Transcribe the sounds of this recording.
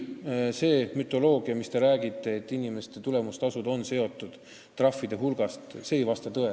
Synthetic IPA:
se̞ːmyt̪ːˑo̞lo̞ːɡ̥iɑmist̪e̞ɾæːɡit̪ːˑe̞ːt̪ːˑinime̞st̪e̞t̪ule̞must̪ɑsud̪o̞nse̞o̞t̪ːˑud̪̥ | t̪ːrɑfːid̪̥e̞ɦulɡ̥ɑst̪se̞ːjvɑst̪ɑt̪ɤe

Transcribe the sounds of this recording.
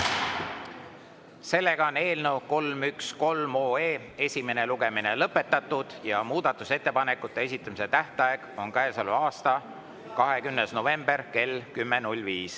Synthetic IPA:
se̞lːe̞ɡ̥ɑo̞ne̞ːlnewko̞lmyksko̞lmo̞ːeːe̞sʲime̞ne̞luɡ̥e̞mine̞lɤpːe̞t̪ːˑɑt̪ːˑud̪̥jɑmuːd̪ɑt̪ːˑuse̞t̪ːe̞pɑne̞kːˑut̪ːˑe̞es̬ʲit̪ːˑɑmise̞t̪æht̪ɑeɡ̥o̞nkæesɑluɑːst̪ɑ | kɑɦe̞kymnesno̞ve̞mb̥e̞rke̞lkymːenulʲviːs

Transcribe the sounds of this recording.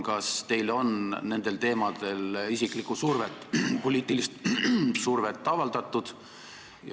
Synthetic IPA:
kɑst̪e̞jlo̞nne̞nd̪̥e̞lt̪e̞ːmɑd̪̥e̞lisiklikusurvet̪ːˑpo̞lʲiːt̪ːˑilist̪surve̞t̪ːɑvɑld̪̥ɑt̪ːˑud̪̥ | j

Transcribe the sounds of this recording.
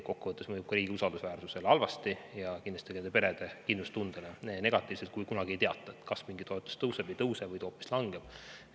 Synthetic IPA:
ko̞kːuvɤt̪ːˑe̞smɤjub̥̚kɑɾiːɡiusɑld̪̥usvæːrsuse̞lɑlvɑst̪ijɑkind̪lɑst̪ikend̪epe̞ɾe̞d̪̥e̞kinlust̪und̪̥elenene̞ɡ̥ɑt̪ːˑiːvselt̪̚kujkunɑɡ̥iejt̪eɑt̪ːˑɑet̪kɑsmiŋɡit̪o̞et̪ːˑu̥st̪ɤwse̞b̥ejt̪ɤwse̞vɤjt̪o̞ːpːi̥slɑŋɡeb̥

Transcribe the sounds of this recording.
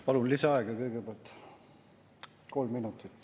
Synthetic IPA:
pɑlunlisɑɑeɡ̥ɑkɤjɡ̥epeɑlt̪ | ko̞lmminut̪ːˑit̪ːˑ

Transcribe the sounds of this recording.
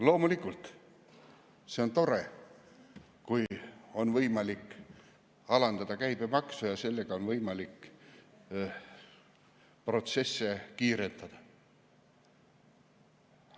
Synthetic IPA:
lo̞ːmulikːˑult̪ˑ | se̞o̞nt̪o̞ɾe̞ | kujo̞nvɤjmɑlikː | ɑlɑnd̪ɑd̪̥ɑkæjb̥e̞mɑksujɑse̞lːe̞ɡ̥ɑo̞nvɤjmɑlikː | pro̞t̪se̞sːe̞kiːɾe̞nt̪ɑd̪̥ɑ

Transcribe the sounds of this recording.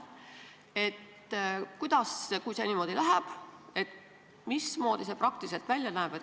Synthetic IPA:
e̞t̪ | kujd̪̥ɑskujseniːmo̞ːd̪̥ilæɦæb̥e̞t̪ | mismo̞ːd̪̥iseprɑk̚t̪ilse̞lt̪vælʲjɑnæeb̥et̪

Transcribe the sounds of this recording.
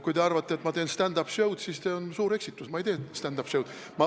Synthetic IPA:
kujt̪e̞ɑrvɑt̪ˑːeːt̪mɑt̪e̞ːnst̪ænd̪ɑpsjɤwd̪̥siːsse̞onsuːɾe̞ksit̪ːˑusmɑejt̪eːst̪ænd̪ɑpsjɤwd̪ | mɑ

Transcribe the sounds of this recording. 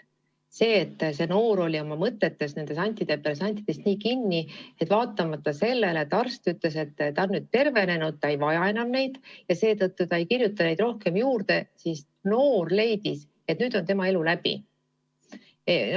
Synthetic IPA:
se̞ːt̪ːse̞no̞ːɾo̞lʲio̞mɑmɤt̪ːˑe̞t̪ːe̞sne̞nd̪̥e̞sɑnʲt̪ːˑid̪̥epelesɑnʲt̪ˑid̪̥e̞st̪niːkinʲːie̞t̪ːvɑːt̪ːˑɑmɑt̪ːɑse̞lːe̞let̪ːɑrst̪yt̪le̞se̞t̪ːt̪ɑonːyːd̪̥̚t̪e̞rve̞ne̞nud̪̥̚t̪ːɑejvɑjɑenɑnne̞jd̪̥jɑse̞ːt̪ɤt̪ːut̪ɑe̞jkirjut̪ːˑɑne̞jd̪ro̞hke̞mjuːrd̪e̞sis | no̞ːrle̞jd̪is | e̞t̪ːˑnyːd̪̥o̞nt̪e̞mɑe̞lulæb̥ḭ

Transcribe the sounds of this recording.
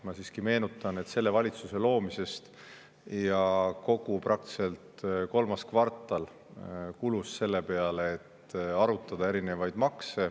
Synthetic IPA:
mɑsiːskime̞ːnut̪ːˑɑne̞t̪se̞lːe̞vɑlʲit̪suse̞lo̞ːmise̞st̪ | jɑko̞ɡ̥uprʔɑk̚t̪i̥se̞lt̪ko̞lmɑskvɑrt̪ːˑɑl | kulusse̞lːe̞pe̞ɑleːt̪ɑɾut̪ːˑɑd̪̥ɑe̞ɾine̞vɑjd̪mɑkse̞

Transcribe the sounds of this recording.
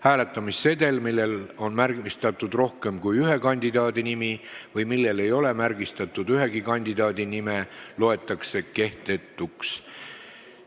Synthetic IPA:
hæːle̞t̪ːˑɑmisːe̞d̪e̞lmilːe̞lo̞nmærɡmist̪ɑt̪ːˑud̪̥ro̞hke̞mkujyɦe̞kɑnʲd̪̥id̪ɑːd̪inimivɯjmilːe̞le̞jo̞le̞mæɾɡist̪ɑt̪ˑːud̪yɦe̞ɡ̥ikɑnʲd̪̥id̪ɑːd̪inime̞lo̞e̞t̪ːˑɑkse̞ke̞ht̪e̞t̪ːˑuks

